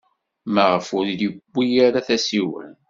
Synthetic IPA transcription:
mæʁəfʊɾləbːijæɾaθæsiwə̰n

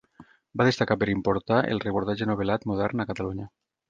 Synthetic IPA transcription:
baðest̪akapəɾimpoɾt̪aʔḛlˠrepuɾt̪ad͡ʒənoβ̞elat̪muð̞ɛɾnəkət̪aluɲə

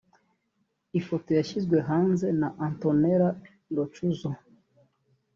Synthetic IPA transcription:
ifotojaʃizɡwe̞ɦaːnze̞naʔantoneɾa | ndot͡ʃuzo

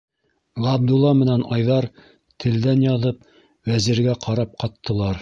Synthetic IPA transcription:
ʁɑb̚d̪ulˠːɑmɘ̆nænɑjðɑɾ | t̪ʰɘ̆ld̪ænjɑðɤp̚ | wæzĭɾɡæqʰɑɾɑp̚qɑt̪ːɤ̆lˠɑɾ

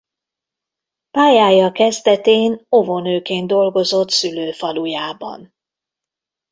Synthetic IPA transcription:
paːjaːjɒkɛzd̪ɛt̪eːno̞vonøːkeːnd̪o̞lɡo̞zo̞t̪syløːfɒlujaːbɒ̰n

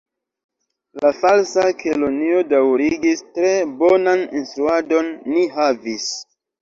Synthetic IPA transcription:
lafalsakʰelonio̞dawɾiɡistɾe̞bo̞naninstɾuado̞nːiɦavis

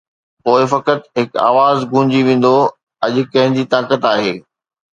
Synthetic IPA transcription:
poːɪfɐkət̪ɦɪka̰ːʋaːzɡũ̆ːd͡ʑiʋẽːn̆d̪o | ɐʄʊ̆kɐ̃ɦɪ̃d͡ʑiːt̪aːkət̪aːɦeː

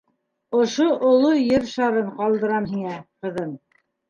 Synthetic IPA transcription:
ŏʃoʔŏlˠojɘɾʃɑɾɤɴqɑlˠd̪ɤ̆ɾɑmɦiŋæqɤ̆ðɤn

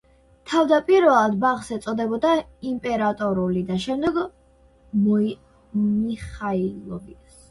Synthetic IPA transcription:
t̪ʰavd̪apʼiɾvɛlˠad̪baχsɛt̪sʼɔd̪ɛbɔd̪aimpʼɛɾat̪ʼɔɾulid̪aʃɛmd̪ɛɡ | mɔ | miχailˠɔbit̪s

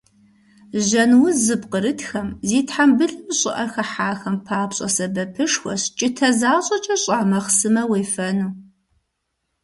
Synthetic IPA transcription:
ʒɐnwʊzɨbqəɾɨtxɐmziːtħambɨɮɨmɕʼɪʔɐrxɐħaːxɐmpʰaːpɕʼɐ̰sɐbɐpʰɨʂxʷɔ̰ɕt͡ʃʼɪtʰɐzaːɕʼɐt͡ʃʼɐɕʼaʕmɐχsɨmɐweːfɐnuː

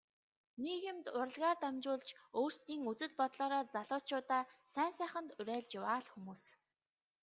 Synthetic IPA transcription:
nekemt̪ʊɾə̆ɮʁaːrt̪amt͡ɕʊːɮt͡ɕoːr̥st̪iːŋut͡sɘ̆ɮpɔt̪ɮɔːɾɔːt͡saɮʊːt͡ɕʊːt̪aːsæːnsæːχə̆nt̪ʊɾæːɮt͡ɕɪwaːɮxumuːs

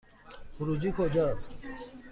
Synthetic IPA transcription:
xuɾud͡ʑikʰod͡ʑas

